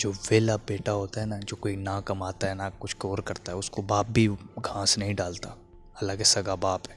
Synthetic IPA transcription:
d͡ʒoːʋeːlabeːʈaɦoːt̪aɦɛnad͡ʒoːkoːinãkɐmaːt̪aɦɛnakʊt͡ʃʰkoːɾkɐɾt̪aɦɛʊskobaːp̚bʱiɡʱãːsnɐɦĩɖaːlt̪aː | ɐlːakesɐɡabaːpɦɛː

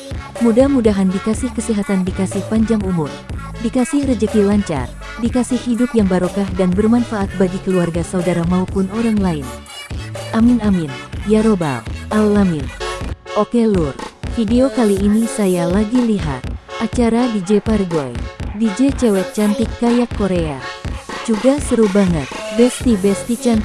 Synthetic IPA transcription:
mudahmudaɦandikasɪhkəsiɦat̪andikasɪhpaɲd͡ʒaŋumʊr | dikasɪhrəd͡ʒəkilaɲt͡ʃa̰r | dikasɪhhidʊp̚jaŋbaɾokahdanbərmanfaʔat̪̚baɡikəluarɡasaudaɾamaupʊnoɾaŋlaɪn | ʔaminaminjaɾoba̰lʔalːaminʔokelurfideokaliːnisajalaɡiliɦa̰t̪̚ʔat͡ʃaɾadid͡ʒeparɡojdid͡ʒet͡ʃɛwɛt̪̚t͡ʃant̪ikːajakːoɾead͡ʒuɡasəɾubaŋət̪̚bɛst̪ibɛst̪it͡ʃan

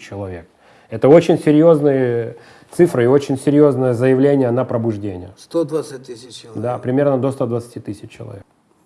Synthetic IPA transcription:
t͡ɕːɪlˠɐvʲḛk̚ | ɛt̪əo̞t͡ɕɪnʲsʲɪɾʲjo̞znɨjə | t̪sɨfɾɨɪo̞t͡ɕɪnʲsʲɪɾʲjo̞znəjəzəjɪvlʲenʲɪjənəpɾəbʊʐdʲenʲɪ̰jəst̪od̪vt̪sɨt̚ʲt̪ɨd̪apɾʲɪmʲe̞rnəd̪ost̪ad̪vət̪sɨ̥tʲit̪ɨsʲɪt͡ɕːɪlˠɐ̰vʲek

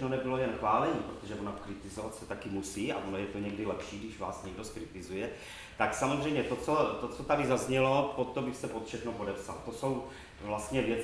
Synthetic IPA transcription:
nonɛbɪlo̞jɛnxvaːlɛɲiːpɾot̪oʒɛvonakɾɪt̪ɪzovat̪sɛt̪akɪmusiːa̰ʔonojɛt̪oɲɛɡdɪlɛpʃiːdɪʒvaːsɲɛɡdoskɾɪt̪ɪzujɛ | t̪aksamozrɛjmɲɛt̪ot͡so̞t̪ot͡sot̪adɪzazɲɛlo̞pot̪ːobɪxsɛpot̪fʃɛxnopo̞dɛpsa̰lt̪o̞so̞w | vlast̪ɲɛvjɛt͡s

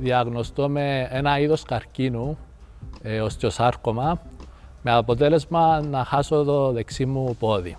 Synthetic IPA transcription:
ðiaɣnost̪omeenaiðoskaɾcinu | eoscosaɾkoma | meapot̪̬elezmanaxasot̪oðeksimːupoði

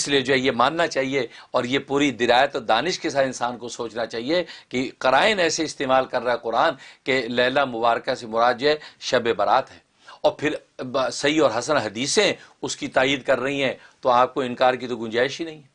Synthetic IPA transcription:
ɪslied͡ʒoːɦɛjemaːnːat͡ʃaːɦieɔːɾjepuːɾid̪ɪɾaːjət̪ɔːɾd̪aːnɪʃkes̬aːt̪ɪnsaːnkosoːt͡ʃnat͡ʃaːɦiekeqɐɾaːɪnɛːseɪst̪eːmaːlkɐɾːaɦɛqʊɾaːnkelɛːlamʊbaːɾkasemʊɾaːd̪̚d͡ʒoɦɛʃɐbebɐɾaːt̪ɦɛː | ɔːɾpʰɪɾ | sɐɦiɔːɾɦɐsənɦɐd̪iːsẽʊskit̪aːiːd̪̚kɐɾːɐɦĩɦɛ̃t̪oaːp̚koɪ̃nkaːɾk̬it̪oɡʊ̃nd͡ʒaːɪʃɦinɐɦĩɦɛː

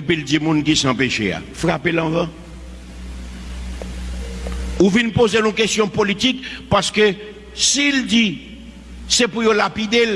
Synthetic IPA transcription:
epildimũnkisãpeʃea̰fʁapelãvã | uvinpozenũkest̪jɔ̃politikpaskø | sild͡zi | sepujolapid̪el

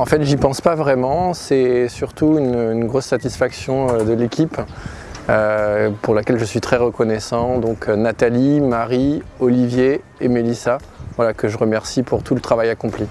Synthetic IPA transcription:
ɑ̃fɛt̪ʒipɑ̃spavʁɛmɑ̃sɛsyʁt̪uynynɡʁosːat̪isfaksjɔ̃ød̪əlekʲip | øpuʁlakʲɛlʒəsɥit̪χɛʁəkɔnɛsɑ̃d̪ɔ̃kʰnat̪alimaʁiɔlivje | emelisa | vwalakəʒəʁəmɛʁsipʰuʁt̪ʰulət̪χavajakɔ̃pli

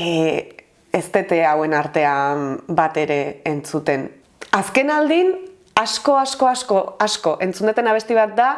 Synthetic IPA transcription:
est̪e̞t̪e̞awe̞naɾt̪e̞ambat̪e̞ɾe̞ːnt͡sut̪e̞n | aske̞nald̪in | asko̞asko̞asko̞asko̞ʔe̞nt͡sund̪t̪enaβe̞st̪iβ̞at̪̚d̪a

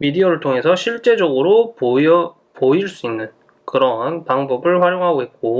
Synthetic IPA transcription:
midiʌɾɯɭtʰoŋɦe̞sʰʌɕʰiɭt͡ɕ͈e̞d͡ʑʌɡɯɾo | poiɭs͈uinːɯn | kɯɾʌɦanpaŋbʌbɯɭɸwaɾjoŋɦaɡoɦet̚k͈o

